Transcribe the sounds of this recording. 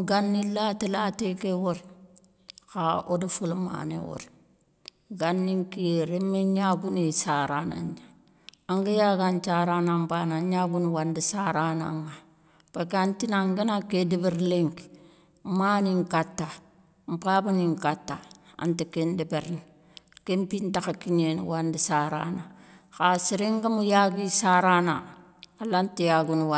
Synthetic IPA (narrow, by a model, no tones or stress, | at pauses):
ɡanːilatilatikewoɾ | kaodifulma̰nḛwo̰ɾ | ɡanːiŋkiɾemːeɲaɡunisaɾana̰ɲa | aŋɡijaɡant͡ʃaɾanampanaɲaɡunwandisaɾana̰ŋːa | pakantinaŋɡenakedibiɾleŋk | maniŋkatːa | mpabaniŋkatːaa̰ntikendibeɾn | kempintakakiɲen̰wandisaɾa̰nakasiɾiŋɡamujaɡisaɾana | alantijaɡunwa